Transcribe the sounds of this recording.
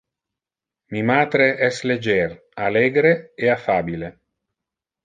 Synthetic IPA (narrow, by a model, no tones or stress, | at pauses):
mimaːt̪ɾeʔɛsled͡ʒer | aleːɡɾeeafaːbile